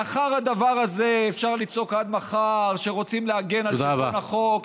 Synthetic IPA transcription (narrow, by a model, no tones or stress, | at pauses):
aχaʁhad̪avaʁazeːfʃaʁlit͡so̞kad̪̚maχaʁʃe̞ʁo̞t͡simleaɡe̞nalod̪abaaχok